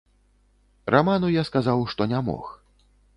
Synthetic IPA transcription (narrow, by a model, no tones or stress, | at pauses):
rʔamanujaskazawʂt̪ɔnʲamɔ̰x